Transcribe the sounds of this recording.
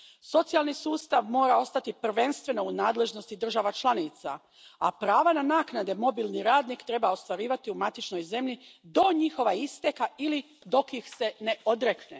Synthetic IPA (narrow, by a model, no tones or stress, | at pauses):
so̞t̪sijalˠnisuːst̪aʋmo̞ːɾao̞st̪at̪ipr̩ʋe̞nst̪ʋe̞no̞unaːd̪le̞ʒno̞st̪id̪r̩ʒaʋat͡ʃlˠanit̪sa̰ | apɾaːʋananaːknad̪e̞mo̞bilˠniɾaːd̪nikt̪ɾe̞bao̞st̪ʋaɾiːʋat̪iumat̪it͡ʃno̞jze̞mʎid̪o̞ɲixo̞ʋaist̪ekaili | d̪o̞kixse̞ne̞o̞d̪ɾekne